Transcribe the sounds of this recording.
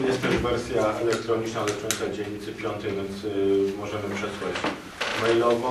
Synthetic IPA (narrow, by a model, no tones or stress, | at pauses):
jɛst̪t̪ːɛʐvɛɾsʲjaɛlɛkt̪ɾɔɲit͡ʂnazɛt͡ʂɔnʲsad͡ʑeɲɲːit̪sɘpʲjɔnt̪ɛjvʲjɛnt̪smɔʐɛmɘpʂɛswat͡ɕ | mɛjlɔvɔ̃